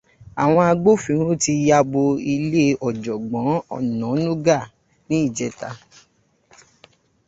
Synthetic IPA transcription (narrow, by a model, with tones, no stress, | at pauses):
a˨w̃ɔ̃˧a˧ɡ͡bo˦fĩ˨˦ɾ̃ũ˦ti˧ja˧bo˧i˧le˦ɔ˨d͡ʒɔ˨ɡ͡bɔ̃˨˦ɔ̰˦˨nɔ̃˨˦nũ˦ɡa˦˨ | nĩ˦i˦˨d͡ʒɛ˨˦ta˧